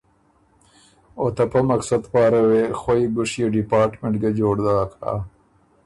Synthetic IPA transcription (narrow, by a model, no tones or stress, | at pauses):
ot̪apɐmɐksɐd̪pɑːɾɐwexwojiɡʊʂjeɖipaːɾʈmeɳʈɡad͡ʒoːɽd̪aka̰